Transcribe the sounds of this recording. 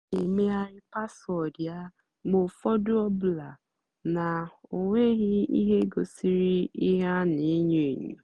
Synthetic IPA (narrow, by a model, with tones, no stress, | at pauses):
e˨me˦a˦ɾɪ˦pa˦sɔ˨dja˦ | mo˨fɔ˦dʊ˦ɔ˦bla˨ | na˨o˨ŋʷe˦ɣɪ˦ḭ˦ɦe˦ɡo˨si˦ɾi˦i˦ɦa˦ni˨˦ɲe˨ɲṵ˨